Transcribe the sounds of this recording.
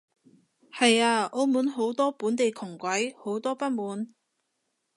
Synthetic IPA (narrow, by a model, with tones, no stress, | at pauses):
hɐ˨jaː˧ʔo˧wmuː˨˥nɦo˨˥wt̪ɔː˥puː˨˥nt̪e˨jkʰʊ˨˩ŋkʷɐ˨˥jho˨˥wt̪ɔː˥pɐ˥t̚muː˨˥n